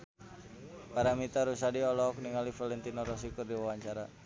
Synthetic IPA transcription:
paɾamit̪aɾusadiɔlɔk̚niŋalifalɛnt̪inɔɾɔs̬ikɨrdiwawaɲt͡ʃaɾa

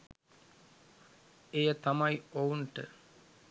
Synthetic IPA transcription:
ejət̪amajounʈə

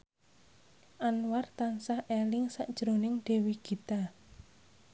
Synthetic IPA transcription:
ʔanwart̪ansahʔelɪŋsaʔd̥ʒ̥ɾonɪŋɖ̥e̤wiɡ̥i̤t̪a

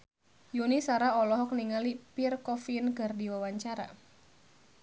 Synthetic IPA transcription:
junisaɾaɔlɔɦɔk̚niŋalipirkɔfinkɨrdiwawaɲt͡ʃaɾa̰

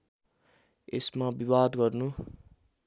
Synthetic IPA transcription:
esmabibad̪ɡʌrnu

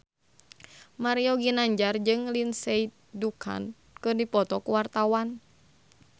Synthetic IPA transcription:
maɾiɔɡinaɲd͡ʒard͡ʒɨŋlinsɛi | dukʰa̰n | kɨrdipɔt̪ɔkuwart̪awan

